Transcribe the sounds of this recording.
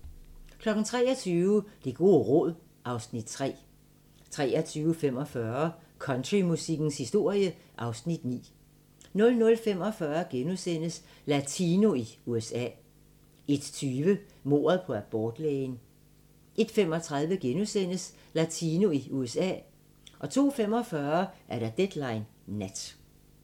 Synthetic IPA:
kʰlɒ̽ɡ̥n̩t͡sʰʁɛ̰ːɐt͡sʰyːʊəd̥e̝ɡ̥o̝ːʁɔ̽ð̰ˠ | ʔɑ̈ʊsnid̥̚t͡sʰʁɛ̰ː | t͡sʰʁɛ̰ːɐt͡sʰyːʊəfem̰ɒ̽fɶɐ | kʰɒ̽nd̥ʁimusiɡ̥n̩shisd̥o̝ɐ̰jəʔɑ̈ʊsnid̥nḭː | nɔ̽lnɔ̽lfem̰ɒ̽fɶɐɡ̥enusen̰əs | læt͡sʰino̝iuesɛ̰ː | e̝d̥t͡sʰyːʋə | mo̝̰ːɐðˠpʰɒ̽æb̥ɒːd̥leːɪn | ʔe̝d̥fem̰ɒ̽t͡sʰʁɑ̈ð̞ˠʋəɡ̥enusen̰əs | læt͡sʰiːno̝iuesɛ̰ː | ʔɒ̽t͡sʰo̝̰ːfem̰ɒ̽fɶɐʔæɐɾ̥æd̥ed̥lɑ̈ɪnː | æd̥

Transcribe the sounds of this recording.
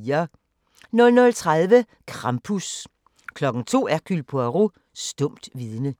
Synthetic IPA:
ɐ | nɔ̽lnɔlt͡sʰʁaðˠʋə | kʰʁɑ̈mpʰus | kʰlɒ̽ɡ̥ŋ̩t͡sʰo̝̰ːæɐkʰylpʰɔæʁu | sd̥ɔ̽m̰d̥ʋiðˠnə

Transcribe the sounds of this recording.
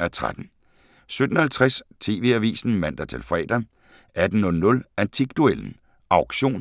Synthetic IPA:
æt͡sʰʁa̰d̥n̩ | sød̥n̩hælt͡sʰʁast͡sʰe̝̰ːʋe̝̰ːæʋḭːsn̩mæn̰d̥ɐt͡sʰe̝lfʁɛ̰ːd̥ɐ | æd̥n̩nɔ̽lnɔ̽lænt͡sʰiɡ̥̚d̥uel̰n̩ | ɑ̈ʊɡ̥ɕo̝̰ːn

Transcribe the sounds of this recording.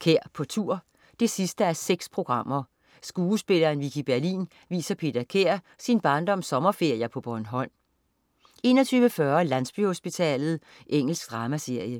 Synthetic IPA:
kʰeɐ̰pʰɒ̽t͡sʰuɐ̰ | d̥e̝sisd̥əæɐseɡ̥spʰʁo̝ɡ̥ʁɑ̈m̰ɐ | sɡ̥uːsb̥e̝lɐenʋikʰib̥æɐlḭːn | ʋḭːsɐpʰe̝̰ːd̥ɐkʰeɐ̰ | sinb̥ɑ̈ːnd̥ɒ̽msɒ̽mɐfe̝ɐ̰jɐpʰɒ̽b̥ɒnɦɒ̽n̰ | e̝̰ːnɒt͡sʰyːʋəfɶɐlænsb̥yho̝sb̥it͡sʰɛ̰ːlð̞̩ˠ | ʔeŋ̰l̩sɡ̥̚d̥ʁɑ̈ːmæse̝ɐ̰jə

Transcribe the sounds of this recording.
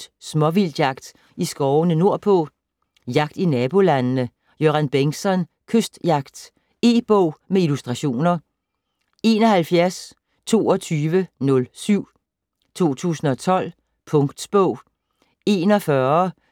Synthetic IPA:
smɒ̽ʋil̰d̥jɑ̈ɡ̥d̥ | isɡ̥ɒʊnəno̝ɐ̰pʰɔ | jɑ̈ɡ̥d̥inɛːb̥o̝lænnə | joænb̥eŋsɒ̽n | kʰøsd̥jɑ̈ɡ̥d̥ | e̝̰ːb̥ɔʊ̰meilusd̥ʁɑ̈ɕo̝̰ːnɐ | e̝nɒ̽hælfjæɐs | t͡sʰo̝̰ːɒ̽t͡sʰyːʋənɔ̽lsyʊ̰ | t͡sʰo̝̰ːt͡sʰṵːsn̩ɒ̽t͡sʰɒ̽l̰ | pʰɔ̽ŋɡ̥d̥sb̥ɔ̰ʊ̰ | e̝ːnɒ̽fɶːɐ

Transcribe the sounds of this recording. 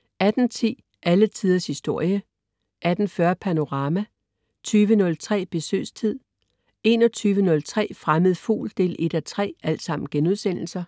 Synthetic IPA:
æd̥n̩t͡sʰḭː | ʔælət͡sʰiːð̞ˠɐshisd̥o̝ɐ̰jə | ʔæd̥n̩fɶɐpʰæno̝ʁɑ̈ːmæ | t͡sʰyːʋənɔ̽lt͡sʰʁɛ̰ːb̥e̝sø̰ːst͡sʰið̞̰ˠ | e̝ːnɒ̽t͡sʰyːʋənɔ̽lt͡sʰʁɛ̰ːfʁaməð̞̩ˠfṵːld̥e̝̰ːle̝d̥æt͡sʰʁɛ̰ːæl̰d̥sɑ̈m̰n̩ɡ̥enuð̞ˠsen̰l̩sɐ

